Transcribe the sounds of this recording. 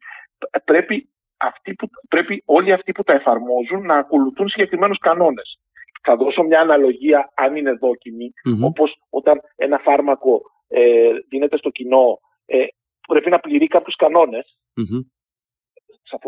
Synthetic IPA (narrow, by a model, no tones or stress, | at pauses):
pɾe̞pi | ɐft̪ipupɾe̞pio̞liɐft̪iput̪ɐe̞fɐɾmo̞zunːɐːko̞luθunsiɲɟe̞kɾime̞nuskɐno̞ne̞s | θɐðo̞somɲɐːnɐlo̞ʝiɐɐnine̞ðo̞cimio̞po̞s | o̞t̪ɐne̞nɐfɐɾmɐko̞ | eðine̞t̪e̞st̪o̞cino̞ | e | pɾe̞pinɐpliɾikɐpçuskɐno̞ne̞s | sɐf